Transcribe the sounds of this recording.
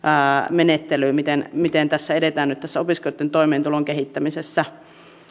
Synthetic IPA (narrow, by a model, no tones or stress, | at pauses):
menet̪ːelyːmit̪enmit̪ent̪æsːæedet̪æːnyt̪t̪æsːæopiskojot̪ːent̪oimeːnt̪uloŋkehit̪ːæmisesːæ